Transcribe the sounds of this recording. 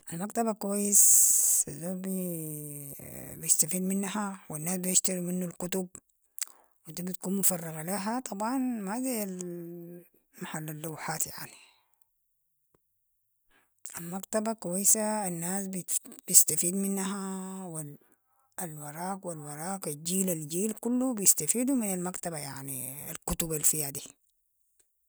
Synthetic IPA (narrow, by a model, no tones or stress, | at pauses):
ʔalmakt̪abakwajːisazobi | bijist̪afiːd̪minːahawinːaːsbijɪʃt̪aɾiminːulkut̪ub | wid̪ibit̪kuːnmufɑrˤːɑɣaleːɦat̪ˤɑbʕɑnmad̪ial | maħalːalːawħaːt̪ja̰ʕni | ʔalmakt̪abakuwajsaːnːaːs̬bb̥ijist̪afiːd̪minːaɦawa | alwɑɾˤɑːkwalwɑɾˤɑːkald͡ʒiːlald͡ʒiːlkulːubijist̪afiːd̪uminalmakt̪abajaʕnialkut̪ubalfiad̪i